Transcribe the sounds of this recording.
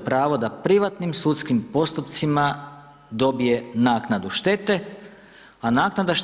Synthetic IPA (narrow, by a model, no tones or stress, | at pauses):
pɾaːʋod̪apɾiʋat̪nimsut̪skimpo̞st̪upt̪sima | d̪o̞bije̞naːknad̪uʃt̪e̞t̪e̞ | anaːknad̪aʃ